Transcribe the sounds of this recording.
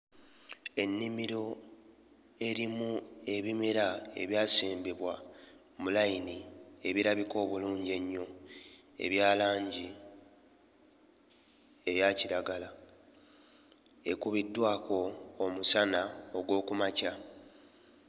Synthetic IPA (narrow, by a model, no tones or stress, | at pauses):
e̞nːimiɾo̞ | e̞ɾimue̞βimeɾae̞̰βjaːseːmbiβwa | mulajinie̞βiɾaβiko̞ːβuluːɲɟe̞ɲːo̞ | e̞̰βjaːlaːɲɟi | e̞jaːciɾaɡala | e̞kuβidːwaːko̞ːmusanao̞ɡwo̞ːkumaca